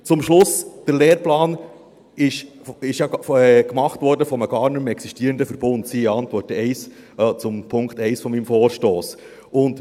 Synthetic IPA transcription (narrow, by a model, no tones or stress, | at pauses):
t͡sʊmʃlʊsd̥əɾleːɾplɑːn | ɪʃ | ɪʃjɑkmɑχtʋɔɾdəfɔməɡ̥ɑːɾnɵmɛksiʃtiːəɾəndəfəɾb̥ʊndsiːɑntʋɔrtəɛɪs | t͡sʊmpʰʊŋkχtɛɪsfɔmimfɔːɾʃtoːs | ʊnd